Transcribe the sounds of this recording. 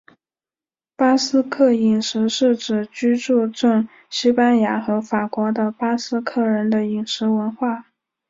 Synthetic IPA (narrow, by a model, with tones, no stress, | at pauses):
pa˥sɹ̩˥kʰɤ˥˩i˨˩ŋʂɻ̩˧˥ʂɻ̩˥˩ʈ͡ʂɻ̩˨˩t͡ɕy˥ʈ͡ʂu˥˧ʈ͡ʂə˥˩ŋ | ɕi˥pa˥nja˧˥xɤ˧˥fa˨˩kwɔ˧˥d̪ə˧pa˥sɹ̩˥kʰɤ˥˩ɻə˧˥nd̪ə˧i˨˩ŋʂɻ̩˧˥wə˧˥nxwa˥˩